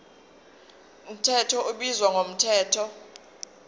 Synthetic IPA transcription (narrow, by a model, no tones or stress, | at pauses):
um̩tʰɛtʰɔʔuɓizwaŋʱom̩tʰɛːtʰɔ